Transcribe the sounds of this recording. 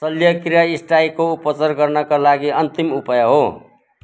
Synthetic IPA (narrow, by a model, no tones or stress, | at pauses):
sʌljʌkrijaisʈajkoupʌt͡sʌrɡʌrnʌkalaɡiʌnt̪imupʌjʌɦo